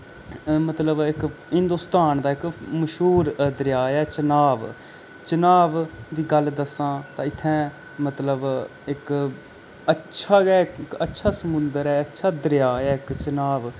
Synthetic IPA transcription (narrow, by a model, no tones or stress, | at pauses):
mət̪ləbɪkɦɪ̃nd̪oːst̪aːnd̪aːɪkməʃɦuːɾd̪əɾjaːjɛːt͡ʃənaːʋ | t͡ʃənaːʋd̪iːɡəld̪əsãːt̪ãːɪt̪ʰːɛ̃ː | mət̪ləb | ɪk | ətːʃʰaːɡɛːkətːʃʰaːsəmʊnd̪əɾɛːətːʃʰaːd̪əɾɪjaːjaːɪkt͡ʃənaːʋ